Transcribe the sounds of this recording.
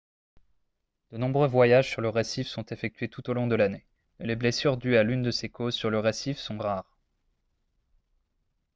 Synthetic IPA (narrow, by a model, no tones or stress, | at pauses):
d̪̥ənɔ̃bʁøvwajaʒsyʁləʁɛsifsɔ̃t̪efɛk̚t̪ʰɥet̪ut̪olɔ̃d̪əlane | meleblesyʁd̪yalynd̪əsekozsyʁləʁɛsifsɔ̃ʁaːʁ